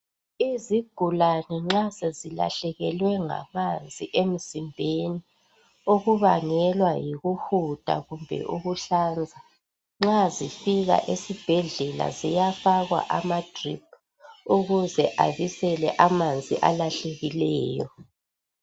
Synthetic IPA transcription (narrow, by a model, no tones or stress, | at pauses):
iziɡ̥ʱulanɛŋ͡ǁasezila̰ɬɛɣɛlwɛŋa̰mand͡zʱiʔem̩simbʱeni | oɣuβaŋɛlwajiɣuhud̥ʱa̰ɣumbʱɛ̰ʔuɣuɬand͡zʱa | ŋ͡ǁazifiɣa̰ʔesib̥ʱɛɮɛla̰zijafaɣwa̰ʔamad̥rip̚ʰ | uɣuzɛʔaβisɛlɛʔamand͡zʱḭʔa̰laɬeɣilɛːjɔ